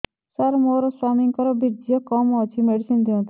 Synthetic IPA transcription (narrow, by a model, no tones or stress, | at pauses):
saɾmoːɾɔswamiŋkɔɾɔbid͡ʒijɔkɔmɔt͡ʃʰimeɽisind̪iõt̪ʰ